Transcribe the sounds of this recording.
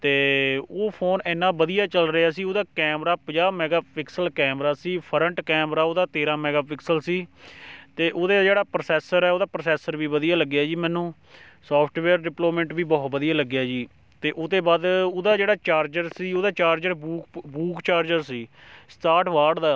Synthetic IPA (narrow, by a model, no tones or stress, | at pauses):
t̪eːoːpʰoːnɛːnːãːbəd̪ijaːt͡ʃəlɾəaːsiːoːd̪aːkɛːmɾaːpəd͡ʒaːmɛːɡaːpʰɪksəlkɛːmɾaːsiːpʰəɾəɳʈkɛːmɾaːoːd̪aːt̪eːɾãːmɛːɡaːpɪksəlsiːt̪eːʔoːd̪eːd͡ʒeːɽaːpɾəsɛːsəɾɛːoːd̪aːpɾəsɛːsəɾʋiːʋəd̪ijaːləɡjaːd͡ʒiːmɛ̃ːnũː | sɔːpʰʈʋɛːɾɖɪploːmə̃ɳʈʋiːbɔːt̪bəd̪ijaːləɡːjaːd͡ʒiː | t̪eːʔʊd̪eːbaːd̪od̪aːd͡ʒeːɽaːt͡ʃaːɾd͡ʒəɾsiːoːd̪aːt͡ʃaːɾd͡ʒəɾbuːkbuːkt͡ʃaːɾd͡ʒəɾsiːsʈaːʈʋaːɾɖd̪aː